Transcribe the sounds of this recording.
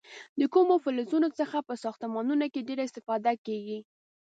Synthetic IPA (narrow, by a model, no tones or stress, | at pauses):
d̪əkumofɪlɪzunot͡səxapəsɑxt̪əmɑnunokeɖeɾaɪst̪ɪfɑd̪akeɡi